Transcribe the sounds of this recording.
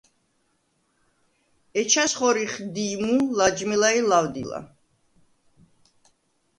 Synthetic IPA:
ɛt͡ʃʰasχɔɾiχd̪imulad͡ʒmilailawd̪ḭla̰

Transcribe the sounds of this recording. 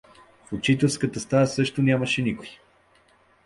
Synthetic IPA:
fot͡ʃit̪ɛlˠskət̪əst̪asɤʃt̪onʲjaməʃɛnikoj

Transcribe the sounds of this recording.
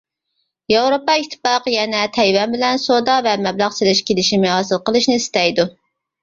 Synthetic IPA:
jɑwɾopɑit̪ʰːɨ̥pɑqjɛnɛt̪ʰɛjwɛnbɪlɛnsod̪ɑvɛmɛblæχselɪʃkʲʰelɪʃimɪɦɑsɨlˠqəlˠɨʃnɪist̪ɛjd̪u

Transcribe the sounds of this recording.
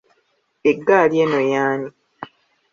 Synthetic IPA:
eɡːaːljenojaːni

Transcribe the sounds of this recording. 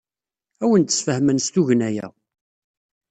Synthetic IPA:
æwənt̪ːə̥sfəhmənst̪uʝənæjæ̰

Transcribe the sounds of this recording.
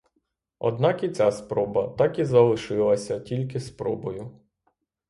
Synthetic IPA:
ɔ̰d̪nɑkit͡sʲaspɾɔbɐt̪ɑkizɐlˠɪʃɪlˠɐsʲɐtʲilʲkɪspɾɔbɔjʊ

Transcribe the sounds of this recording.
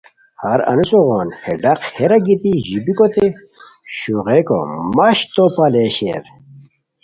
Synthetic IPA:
hɐɾɐ̰nusoʁoːnheɖɐqheɾɐɡit̪iʑibikot̪e | ɕuʁeko̰maɕt̪opaleɕḛɾ

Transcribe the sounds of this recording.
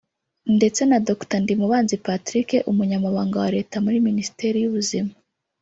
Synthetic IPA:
nde̞t͡se̞nadoktandimuβaːnzipatɾike̞ʔumuɲamaβaːŋɡawaɾe̞ːtamuɾiminisi̥te̞ɾijuβuzima

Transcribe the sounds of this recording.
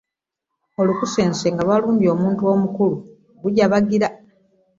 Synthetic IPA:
o̞lukuseːnseŋɡaβaluːɲɟio̞ːmuːntuo̞mukulu | ɡuɟaβaɡiɾa

